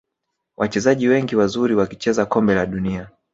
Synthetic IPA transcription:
wʔat͡ʃɛzaʄiwɛŋɡiwazuɾiwakit͡ʃɛzakɔmbɛlaɗunia

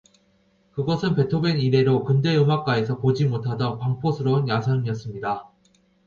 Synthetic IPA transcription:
kɯɡʌsʰɯnpe̞tʰobeniɾe̞ɾokɯnde̞ɯmak͈ae̞sʰʌpod͡ʑimotʰadʌnpaŋpʰosʰɯɾʌɯnjasʰʌŋiʌs͈ɯmɲida

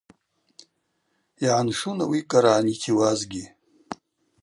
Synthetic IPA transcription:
iʕanʂunawikʼaɾaːnitʰiwazɡʲi

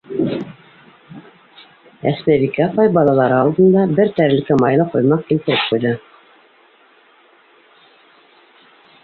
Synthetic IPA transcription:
æ̰smæβikæpɑjbɑlˠɑlˠɑɾɤɑlˠd̪ɤ̆nd̪ɑbɘɾt̪æɾɘ̆lkɘmɑjlˠɤqujmɑq̚kilt̪ɘ̆ɾɘp̚qujðɤ

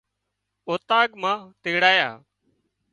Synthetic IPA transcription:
oːt̪aːɠmãːt̪eːɽaːja̰ː

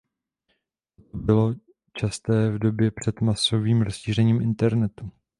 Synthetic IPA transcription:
t̪ | ot̪obɪlo̞ | t͡ʃast̪ɛːvdo̞bjɛpr̝̥ɛt̪maso̞viːmɾo̞sʃiːrɛɲiːmʔɪnt̪ɛɾnɛt̪u

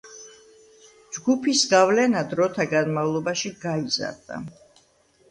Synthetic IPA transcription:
d͡ʒɡupʰisɡavlɛnad̪ɾɔt̪ʰaɡanmavlˠɔbaʃiɡaiza̰ɾd̪̥a̰

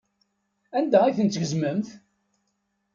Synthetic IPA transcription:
ænd̪æiθənt͡s̪ʝəzməmθ

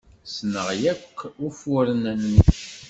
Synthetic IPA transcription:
snəʁjækːufuɾənæn

